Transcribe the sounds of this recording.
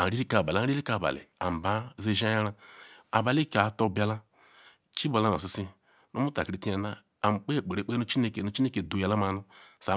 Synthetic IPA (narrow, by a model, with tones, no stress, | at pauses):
a˨ɾi˦ɾi˦ka˨ba˨li˦li˦ka˨ba̰˨lḛ˨a̰˨m˨ba˨˦ze˦ʒa˦ja˦ɾa˦a̰˨ba˨li˦ka˨to˦˨ba˦la˦ | t͡ʃi˦bo˨la˦no̰˨s̬i˨si˦ | no˦mu˦ta̰˨kɾi˨˦ti˦a˨na˦ | a˨m˨k͡pe˦˨k͡pe˨ɾe˨˦k͡pe˦no˦t͡ʃi˦ne˦ke˨no˦t͡ʃi˦ne˦ke˨do˨ja˨la˦ma˨nu˦sa˨˦